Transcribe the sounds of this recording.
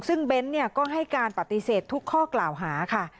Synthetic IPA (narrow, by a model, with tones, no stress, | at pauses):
sɯ˥˩ŋbe˧˦˥nːi˥˩ɐkɔː˥˩ɦa˥˩jkaː˧npa˨˩t̪ːi˧˥seː˨˩t̪ʰːu˦˥kʰːɔː˥˩klaː˨˩wɦaː˩˦kʰa˥˩